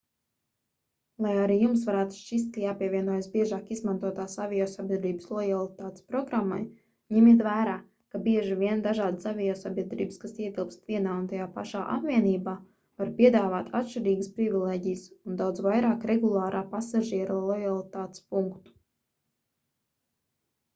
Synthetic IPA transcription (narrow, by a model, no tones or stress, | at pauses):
lˠajaɾiːjums̬vaɾæːt̪u̥ʃt͡ʃist̪kajaːpiɛvʲiɛnuɔjasbiɛʒaːkizmant̪uɔt̪aːsavʲɛjɔːsabʲiɛd̪ɾiːbslˠɔjalˠit̪aːt̪e̥spɾɔɡɾamːa̰j | ɲɛmit̪̬væːɾaː | kabiɛʒivʲiɛnd̪aʒaːd̪əsavʲɛjɔsabʲiɛd̪ɾḭːbəskasiɛɡilˠpst̪vʲiɛnaːunt̪ajaːpa̰ʃaːʔa̰pvʲiɛniːbaː | vaɾpʲiɛd̪aːvaːt̪ʰa̰t̪ʃt͡ʃiɾiːɡəspɾivʲilˠeːɟʲijəsund̪awd̪zvajɾaːkɾeɡulˠɑːɾʔaːpasaʒiɛɾulˠɔjalˠit̪aːt̪e̥spuŋkt̪u̥